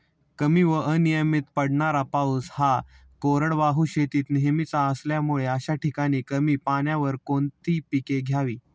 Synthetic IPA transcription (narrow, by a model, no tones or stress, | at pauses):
kəmiʋəʔənijəmit̪pəɽɳaɾapausha | koɾəɽʋaɦuɕet̪iːt̪neɦmit͡saəsljamuɭeəɕaʈʰikaɽ̃iːkəmiːpaɳjaʋəɾkont̪iːpikeɡʱjaʋiː